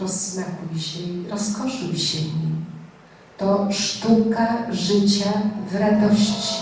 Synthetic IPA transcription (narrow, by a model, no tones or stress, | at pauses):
ɔznakujɕɛiɾɔskɔʂujɕɛvɲim | t̪ɔʂt̪ukaʐɘt͡ɕavɾad̪ɔɕt͡ɕi̥